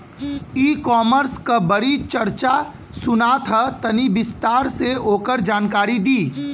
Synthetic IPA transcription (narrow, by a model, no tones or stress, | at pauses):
iːkɔːməɾskabɐɽit͡ʃɐɾt͡ʃa | sʊnaːt̪ʰət̪ɐnibɪst̪aːɾseoːkəɾd͡ʒaːnkaːɾid̪iː